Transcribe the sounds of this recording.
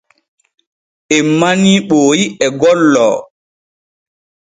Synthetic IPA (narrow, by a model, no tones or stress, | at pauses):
ɛmːaniːɓoːjiɛɡɔlːɔ̰ː